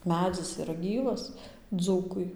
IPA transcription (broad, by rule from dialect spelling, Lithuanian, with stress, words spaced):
ˈmʲæːd͡zʲɪs ɪˈrɐ ˈɡʲiːʋɐs ˈd͡zuːkʊɪ